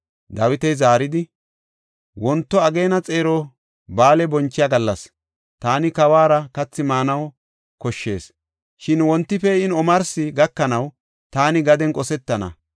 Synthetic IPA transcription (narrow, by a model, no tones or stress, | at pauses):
d̪ɐwɪt̪ɛjzaːɾɪd̪ɪ | wɔnt̪ːɔɐɡe̞ːnɐt͡sʼe̞ːɾɔ | baːlɛbɔnt͡ʃːɪjaɡɐlːɐs | t̪aːnɪkɐwaːɾɐkɐt͡sːɪmaːnɐw | kɔʃːe̞̰ːs | ʃɪnwɔnt̪ːɪfɛɪnɔmɐɾsɪɡɐkːɐnɐw | t̪aːnɪɡɐd̪ɛnkʼɔsɛt̪ːɐnɐ̰